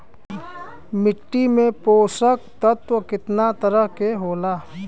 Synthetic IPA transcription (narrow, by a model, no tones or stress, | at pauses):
mɪʈːimẽpoːsək̚t̪ət̪ʋəkɪt̪nat̪əɾəɦkeɦoːlaː